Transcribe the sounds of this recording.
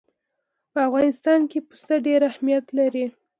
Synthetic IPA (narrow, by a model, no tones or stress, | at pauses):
pəafɣɑnɪst̪ɑnkepu̥st̪əɖeɾahmijat̪laɾi